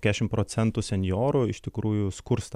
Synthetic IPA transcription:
kʲæːʃʲɪmtpɾoːt̪sʲɛnt̪ʊsʲɛnʲjoːɾʊɪʃʲt̪ʲɪkɾuːjʊskʊɾst̪

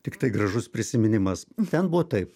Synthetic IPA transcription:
t̪ʲɪkt̪ɐɪɡrɐʒʊspʲɾʲɪsʲɪmʲɪnʲɪmɐst̪ʲɛnbuʋoːt̪ɐɪp

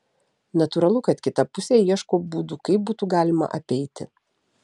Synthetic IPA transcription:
nɐt̪ʊːɾɐlˠʊkɐt̪kʲɪt̪ɐpʊsʲeːiɛʃkoːbuːd̪ʊkɐɪp̚buːt̪uɡɑːlʲɪmɐ̰ʔɐpʲɛɪt̪ʲɪ̰

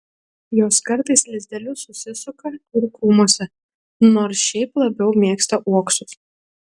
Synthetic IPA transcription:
joːskɐɾt̪ɐɪslʲɪzʲd̪ʲɛlʲʊsʊsʲɪsʊkɐɪɾkuːmuɔsʲɛ | noːɾsʃʲɛɪplˠɐbʲɛʊmʲiɛkst̪ɐʔuɔksʊs

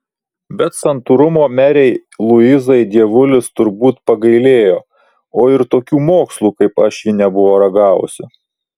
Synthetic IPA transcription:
bʲɛt̪sɐnt̪uɾʊmoːmʲæːɾʲɛɪlˠʊɪzɐɪd̪ʲiɛʋʊlʲɪst̪ʊɾbuːt̪pɐɡɐɪlʲeːjoː | oːɪɾt̪oːkʲuːmoːkslˠuːkɐɪpɐʃjɪnʲɛbʊʋoːɾɐɡɑːʋʊ̰sʲɪ

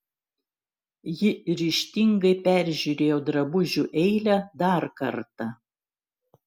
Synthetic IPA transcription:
jɪɾʲiʃʲt̪ʲɪŋɡɐɪpʲæɾʲʒʲuːɾʲeːjoːd̪ɾɐbʊʒʲuːʔɛɪlʲɛd̪ɑɾkɐɾt̪ɐ

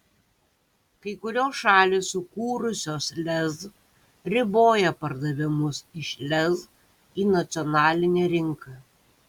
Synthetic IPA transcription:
kɐɪkʊɾʲoːsʃɑːlʲeːsʊkuːɾʊsʲoːslʲɛz | ɾʲɪboːjɛpɐɾd̪ɐʋʲɪmʊsɪʃʲlʲɛz | iːnɐt̪sʲɔnɑːlʲɪnʲɛːɾʲɪŋkɐ

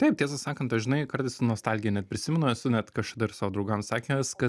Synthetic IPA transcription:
t̪ɐɪp̚tʲiɛsɐsɑːkɐnt̪ɐʃʒʲɪnɐɪkɐɾt̪ɐɪsnuɔst̪ɐlʲɡʲɪjɛnʲɛt̪̚pʲɾʲɪsʲɪmʲɛnʊɛsʊnʲɛt̪kɐʃkɐd̪ɐɪrsɑːʋoːd̪ɾɐʊɡɐmsɑːkʲeskɐt̪

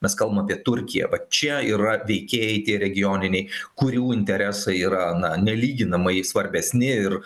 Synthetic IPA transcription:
mʲɛskɐlˠbɐmɐpʲiɛt̪ʊɾʲkʲɪjɛ̰ʋɐt͡ʃʲɛiːɾɐʋʲɛɪkʲeːjɛɪt̪ʲiɛɾʲɛɡʲɪjoːnʲɪnʲɛɪkʊɾʲuːɪnʲt̪ʲɛɾʲæsɐɪiːɾɐnɐnʲɛlʲiːɡʲɪnɐmɐɪsʋɐɾʲbʲɛsʲnʲɪɪr

